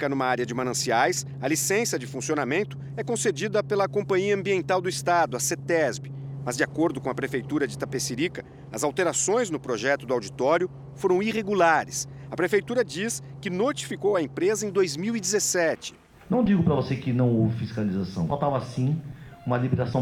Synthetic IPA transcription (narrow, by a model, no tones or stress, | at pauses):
kɐnũmɐaɾjɐd͡ʒɪmɐ̃nɐ̃siajs | ɐlisẽsɐd͡ʒɪfũsionamẽnt̪ʊ̥ | ɛkõsed͡ʒid̪ɐpelɐkõmpɐ̃ɲiɐɐ̃mbiẽnt̪awd̪ʊist̪ad̪ʊɐset̪ɛzbɪmɐzd͡ʒɪakoɾd̪ʊkõɐpɾefejt̪uɾɐd͡ʒɪt̪apeseɾikɐ | ɐzawt̪eɾasõj̃znʊpɾoʒɛt̪ʊd̪ʊawd͡ʒit̪ɔɾjʊ | foɾɐ̃w̃iʁeɡulaɾɪsɐpɾefejt̪uɾɐd͡ʒiskɪnot͡ʃi̥fikowɐẽpɾezɐẽj̃d̪ojzmiwid͡ʒɪzesɛt͡ʃɪ̥ | nɐ̃w̃d͡ʒiɡʊpɾɐvosekɪnɐ̃w̃ovɪfiskalizasɐ̃w̃vat̪avɐsĩũmɐlimit̪asɐ̃w̃